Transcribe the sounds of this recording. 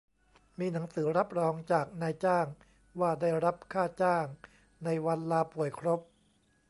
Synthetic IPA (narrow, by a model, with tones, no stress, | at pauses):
miː˧na˩˦ŋsɯː˩˦ɾa˦˥p̚ɾɔː˧ŋt͡ɕaː˨˩k̚naː˧jt͡ɕaː˥˩ŋ | waː˥˩daː˥˩jɾa˦˥p̚kʰaː˥˩t͡ɕaː˥˩ŋ | na˧jwa˧nlaː˧pu˨˩əjkʰɾo˦˥p̚